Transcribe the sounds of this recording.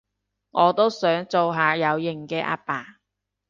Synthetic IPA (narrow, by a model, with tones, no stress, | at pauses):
ŋɔː˨˧t̪o˥wsœː˨˥ŋt͡so˨wɦaː˨˧jɐ˨˧wjɪ˨˩ŋkɛː˧ʔa̰ː˧paː˨˩